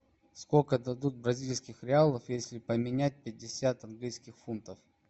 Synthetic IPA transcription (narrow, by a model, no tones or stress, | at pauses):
skokəd̪ɐd̪ut̪̚bɾɐzʲilʲskʲɪxɾʲɪalˠəfjesʲlʲɪpəmʲɪnʲæt̚ʲpʲɪdʲːɪsʲat̪ɐnɡlʲijskʲɪxfunt̪əf